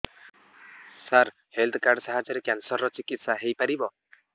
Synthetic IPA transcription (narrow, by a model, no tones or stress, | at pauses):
saɾ | held̪ʰkaɾɖsaɦad͡ʒɔɾekjansɔɾːɔt͡ʃikit̪saɦejpaɾibɔ